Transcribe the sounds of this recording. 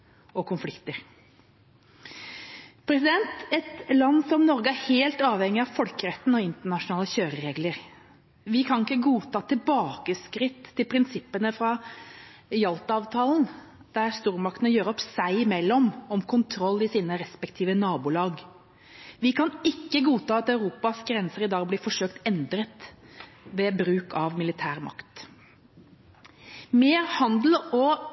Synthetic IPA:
ɔkʰʊnflɪkt̪əɾ | pʰɾɛsɪd̪ɛnt̪ɛt̪lɑnːsɔmnɔɾɡəæɾheːlt̪ɑːʋhɛŋːɪɑʋfɔlkəɾɛt̪ːn̩ɔɪnt̪əɳɑʂʊnɑːləçøːɾəɾeːɡləɾ | ʋɪkʰɑnɪkːəɡuːt̪ʰɑːt̪ʰɪlbɑːkəskɾɪt̪ʰːɪlpʰɾɪnsɪpːənəfɾɑ | jɑlt̪ɑːʋt̪ʰɑːlən̩ | d̪̥æɾst̪uːɾmɑkt̪ənəjøːɾəɔpsæɪmɛlːɔmɔmkʰʊnt̪ʰɾɔlːɪsiːnəɾɛspɛkt̪ʰiːʋənɑːbuːlɑːɡ | ʋɪkʰɑnɪkːəɡuːt̪ʰɑːɑt̪ɑʉɾuːpɑsɡɾɛnsəɾɪd̪ɑːɡblɪfɔʂøːkt̪ɛnd̪ɾət̪ | ʋɛbɾʉːkʰɑʋmɪlɪt̪ʰæːɾmɑ̰kt̪ | meːɾhɑnd̪l̩ɔ

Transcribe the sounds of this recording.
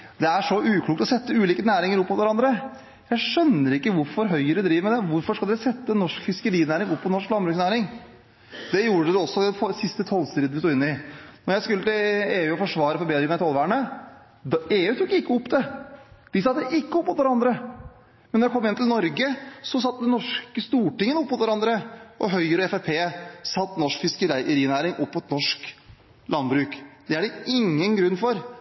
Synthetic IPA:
d̪ɛæʂɔʔʉːkʰluːk̚t̪ɔsɛt̪ːəʉːliːkənæːɾɪŋəɾɔpːmʊt̪ʋæɾɑnd̪ɾə | jæɪʂœnːəɾɪkːəʋʊɾfɔɾɦœʏəɾd̪ɾiːʋəɾmɛd̪ɛʋʊɾfɔʂkɑld̪ɛɾsɛt̪ːənːɔʂkfɪskəɾiːnæːɾɪŋɔpːɔt̪nɔʂklɑmbɾʉːksnæːɾɪŋ | d̪ɛjuːɾəəd̪ɛɔsːɔd̪ɛfɔsɪst̪ət̪ʰɔlst̪iːd̪əʋɪst̪uːɪnːɪnɔɾjæɪskʉlːət̪ɪleːʉːɔfɔʂʋɑːɾəfɔɾbeːd̪ɾɪŋmæɪt̪ʰɑlʋæːɳə | d̪eːʉːt̪ʰuːkːɪkːəɔpːd̪ɛd̪̥ɪsɑt̪ːəʔɪkːəɔpːɔt̪ʋæɾɑnd̪ɾə | mɛnːɔɾɖɛkʰɔmːɪnt̪ʰɪlnɔɾɡəsɔsɑt̪ːd̪ɛnːɔʂkəst̪uːʈɪŋːənəɔpːɔt̪ʋæɾɑnd̪ɾəʔɔɦœʏəɾɔɛfæpʰeːsɑt̪ːnɔʂkfɪskəɾɾiːnæːɾɪŋʔɔpːɔt̪nɔʂk | lʔɑnbɾʉːkd̪ɛæɖɛɪŋːənɡɾʉnːfɔɾ

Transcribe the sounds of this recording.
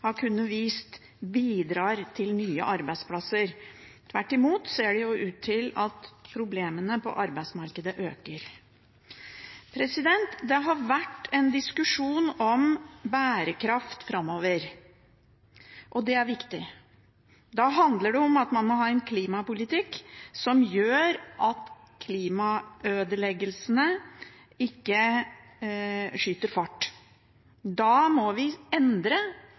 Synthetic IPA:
hɑɾkʰʉnːəʋiːst̪ | biːd̪ɾɑːɾt̪ʰɪlnyːə̰ʔɑɾbæɪd̪spʰlɑsəɾt̪ʰʋæʈːɪmuːt̪seːɖɛjʊʔʉːt̪ʰːɪlɑt̪pʰɾʊbleːmənəpʰɔ̰ʔɑɾbæɪsmɑɾkəd̪əʔøːkəɾ | pʰɾɛsɪd̪ɛnt̪d̪ɛɦɑɾʋæʈːɛnd̪ɪskʉʂuːnɔmbæːɾəkʰɾɑft̪fɾɑmːoːʋəɾ | ʔɔd̪ɛæɾʋɪkt̪ɪ | d̪ɑɦɑnd̪ləɖɛɔmɑt̪mɑnmɔɦɑːɛnkʰliːmɑpʊlɪt̪ʰɪkːsɔmjøːɾʔɑt̪ | kʰliːmɑøːd̪əlɛɡəlsənə | ɪkːə | ʂyːt̪əɾfɑʈː | d̪ɑmɔʋɪɛnd̪ɾə

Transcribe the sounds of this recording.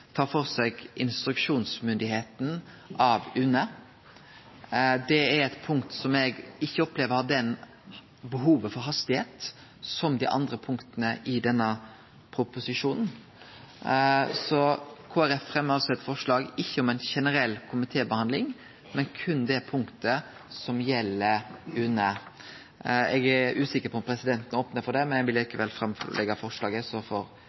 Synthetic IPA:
t̪ʰɑːɾfɔʁsɛɡʔɪnst̪ɾʉkʂuːnsmʏnd̪ɪheːt̪n̩ | ʔɑʋʉnə | d̪ɛɛɾɛt̪pʰʊŋkt̪sɔmɛɡɪçːəɔpleːʋəd̪ɛn | bəɦuːʋəfɔɾɦɑst̪ɪheːt̪ | sɔmd̪ḭːʔɑ̰nd̪ɾəpʰʊŋkt̪ənəʔɪd̪ɛnːə | pʰɾʊpʊsɪʂuːnn̩ | sɔkʰoːæɾɛfɾɛmɑɾsɔɛt̪ːfɔʂɭɑːɡɪçːəɔmɛnʃɛnəɾɛlːkʰʊmɪt̪ʰeːbəhɑnd̪lɪŋ | mɛnkʰʉnd̪ɛpʰʊŋkt̪ə | sɔmjɛlːəʉnːə | ɛɡæʉːsɪkːəɾpʰɔmpʰɾɛsɪd̪ɛnt̪ənoːpnəɾfɔɖɛmɛnɛɡʋɪlliːkəʋɛlfɾɑmlɛ̰ɡɑfɔʂlɑːɡəsɔfɔɾ

